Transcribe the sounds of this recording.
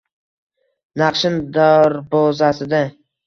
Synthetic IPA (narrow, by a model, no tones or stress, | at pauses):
nɑqʃɪnd̪aɾbɒzasɪd̪a